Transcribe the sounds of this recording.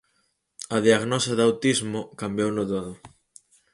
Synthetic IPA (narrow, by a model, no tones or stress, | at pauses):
ɐðiaɣnɔsɐðawt̪izmʊkambjownʊðoðʊ